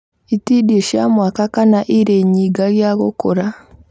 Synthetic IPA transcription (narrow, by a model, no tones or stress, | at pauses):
itidiʃamwaːkakanaʔiɾeɲiːɡaɣjaːɣokoɾa